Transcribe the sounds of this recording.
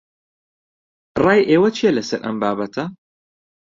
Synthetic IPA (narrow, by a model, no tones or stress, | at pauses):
raːjʔeːwɐt͡ʃʰeːlɐsɨɾʔɐ̰mbaːbɐt̪ʰɐ